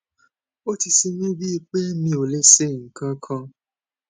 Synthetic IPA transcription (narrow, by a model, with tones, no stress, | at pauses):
o˦ti˧si˧mĩ˦bi˦˧k͡pe˦mĩ˧˦o˨le˦se˦˨ŋ̩˨kã˦kʰɔ̃˧